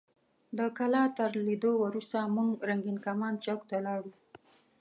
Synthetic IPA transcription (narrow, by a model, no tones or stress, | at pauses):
d̪əkalɑt̪əɾlid̪owəɾust̪amuŋɡɾaŋɡinkamɑnt͡ʃakt̪alɑɽu